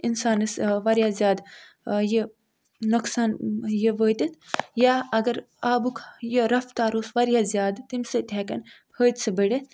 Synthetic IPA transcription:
ɪnsaːnɨsʋɐɾijaːzʲjaːd̪ | jeː | uksaːnjeʋəːt̪it̪ʰjaːɐɡɐɾ | aːbukʰjeɾɐft̪aːɾoːsʋɐɾjaːzijaːd̪t̪imsɨt̪ʲʰɛːkɐ̰npʰəːt̪sɐbəɽit̪

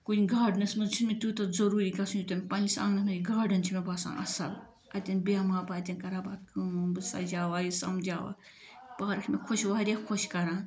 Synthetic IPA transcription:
kunʲiɡaːɖnɐsmɐzt͡ʃʰinmit̪ut̪ɐzɐɾuːɾikasunut̪ɐmʲpɐnʲisã̰ŋɡnɐmɐiɡaːɖɐnt͡ʃʰimebɐsã̰ːʔɐ̰sɐl | ɐt̪ʲɐnbijamaːbaːt̪ʲɐnʲkɐɾaːbaːd̪̚kɨmubɨsa̰d͡ʒaːwajisɐ̰md͡ʒaːwa̰ | paːɾɐkʰmʲekʰoʃʲwaːɾʲjakʰoʃʲkɐɾãː

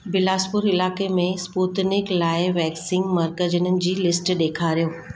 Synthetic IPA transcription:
bɪlaːspʊɾɪlaːkemẽspuːt̪nɪklaːɪʋɛːksɪ̃ŋɡmɐɾkəd͡ʑənənɪ̆d͡ʑiːlɪsʈɗeːkʰaːɾijoː

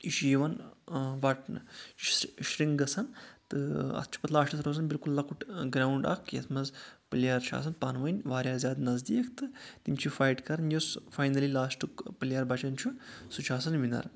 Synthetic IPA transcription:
iʃiʋɐnʋɐʈnɨ̰ | ʃɾiŋɡɡɐsɐnt̪ɨɐ̰t̪̚ʰt͡ʃʰu̥pɐt̪ʰlaːʃʈʰɐt̪ʰɾoːzɐnbilkulːɐkuʈɡɾaːwɳɖɐ̰kʰjɐ̰t̪ʰmɐzpɨljaːɾt͡ʃʰa̰ːs̬ɐnpaːnʋɐnʲʋaːɾʲjaːzʲjaːd̪nɐzd̪iːkʰt̪ɨt̪imt͡ʃʰifajʈkɐɾnjosfajnɐlilaːsʈɨkpɨlijaɾbɐt͡ʃɐnt͡ʃʰusut͡ʃʰaːsɐnʋinɐ̰ɾ

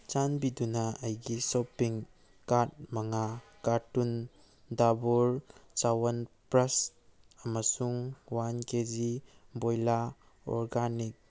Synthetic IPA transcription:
t͡ʃanbidunɐɐjɡisopiŋ | kaɾt̚mɐŋakaɾtun | dabuɾt͡ʃawɐnpɾɐs | ɐmɐsuŋwankezibojla | ɔ̰ɾɡanik̚

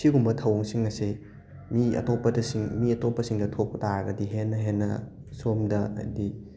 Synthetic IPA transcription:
siɡumbɐtʰɐwɐŋsiŋːɐsi | miɐ̰topːɐdɐsiŋmiɐtopːɐsiŋdɐtʰok̚pɐtaɾɐɡɐdiɦenːɐɦenːɐ̰ | somdɐɐ̰di

